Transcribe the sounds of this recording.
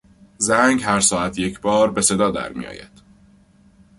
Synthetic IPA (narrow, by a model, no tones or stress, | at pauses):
zæŋɡhæɾsɒːæt̪ʰje̞cʰbɒːɾbe̞se̞d̪ɒːd̪æ̰ɾmḭjɒ̰ːjæ̰d̪̥